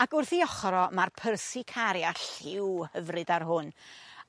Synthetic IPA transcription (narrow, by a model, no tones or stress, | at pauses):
aɡʊrθiɔχɾɔmarpʰərsikʰaɾjaɬɪwhəvrɨdarɦʊn